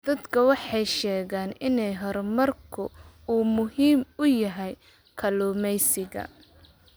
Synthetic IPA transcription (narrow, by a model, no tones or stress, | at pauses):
d̪̥ɐd̪kʰɐwɑħɑjʃɛːɣaːnɪnɛjɦɔrmɐrkʰʊ | uːmʊhiːmʊjɐɦɛj | kʰɐlɔːmɛjsɪɣɐ̰